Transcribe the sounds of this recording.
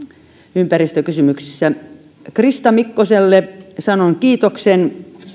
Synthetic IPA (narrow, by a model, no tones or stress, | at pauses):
ympærist̪økysymyksi̥sːæ | krist̪ɑmikːoselːesɑnoŋkiːt̪oksen